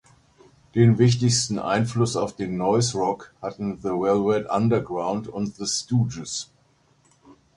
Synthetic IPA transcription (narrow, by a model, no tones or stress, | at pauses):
d̥eːnvɪçtɪçstn̩ʔa̰ɪnflʊsaʊfd̥eːnːɔʏsʁɔkhatn̩ðəwɛlwɛdʔa̰ndɐɐɡʁaʊntʊntðəstuːd͡ʒəs